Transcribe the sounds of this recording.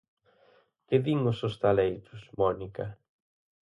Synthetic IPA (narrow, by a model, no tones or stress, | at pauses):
kɪðiŋʊsost̪alejt̪ʊsmɔnikɐ